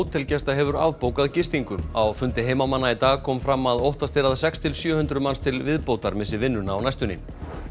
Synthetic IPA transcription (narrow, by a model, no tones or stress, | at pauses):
wt̪ʰːɪlcɛst̪aɦɛvʏɾa̰vpowkaðcɪst̪iŋkʏawfʏnt̪ɪɦeːjmamanːait̪aːɣkʰɔːmfɾamːaðowht̪ast̪eɾaðasɛkst̪ʰɪlsjœːhʏnt̪ɾʏmanst̪ʰɪlvɪðpoːwt̪aɾmɪsɪvɪnːʏnaːwnajst̪ʏnin